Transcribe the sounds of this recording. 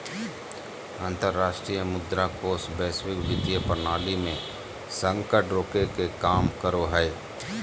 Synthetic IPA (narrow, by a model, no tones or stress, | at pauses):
ãːnt̪əɾːaːʃʈɾijəmʊd̪ɾakosbɛːswɪkbɪd̪jəpɾnaːlimẽ | sə̃ŋkəʈɾoːkekekaːmkəɾoɦɛe